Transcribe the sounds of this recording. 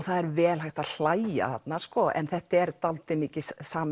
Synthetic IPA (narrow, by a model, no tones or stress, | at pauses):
θaðɛɾvɛːlɦajht̪aðl̥aːja̰θa̰t̪naskɔʔɛ̰nθɛht̪ɛɾt̪alt̪ɪmɪːcɪssaːm